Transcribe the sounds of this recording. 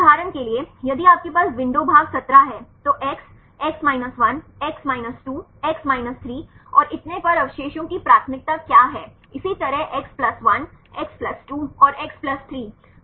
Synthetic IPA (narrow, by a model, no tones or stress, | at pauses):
aːɾənkeliejɐd̪iaːp̚kepaːsʋɪ̃ɳɖobʱaːɡsɐt̪ɾaɦɛːt̪oʔɛks | ɛksmaːɪnəsʋɐnɛksmaːɪnəsʈuː | ɛksmaːɪnəst̪ʰɾiːɔːɾʔɪt̪nepɐɾɐʋɪʃeːʃõkipɾaːt̪ʰəmɪk̚t̪akjaːɦɛː | ɪsit̪ɐɾəɦʔɛksplɐsʋɐnɛksplɐsʈuːɔːɾɛksplɐst̪ʰɾiː